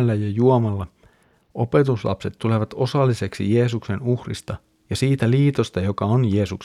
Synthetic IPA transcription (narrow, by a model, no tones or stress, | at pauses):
lːæjɑjuomɑlːɑ | ʔo̞pe̞t̪uslɑ̰pse̞t̪t̪ːule̞ʋɑt̪o̞sɑlːise̞ksḭje̞ːsukse̞nuhrḭst̪ɑ | jɑsiːt̪æliːt̪o̞st̪ɑjo̞kɑonje̞ːsuks